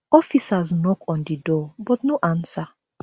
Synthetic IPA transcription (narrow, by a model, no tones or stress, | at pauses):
ɔfisaznɔkʰɔ̃ndidɔbɔtnoʔãnsa